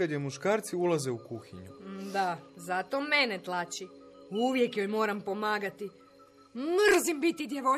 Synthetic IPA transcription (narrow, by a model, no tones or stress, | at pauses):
ad̪jemuʃkaːɾt̪siulˠazeukuxiɲud̪azat̪o̞menet̪lˠat͡ʃi | uʋje̞kjojmo̞ːɾampo̞maːɡat̪i | mr̩zimbit̪id̪jeʋo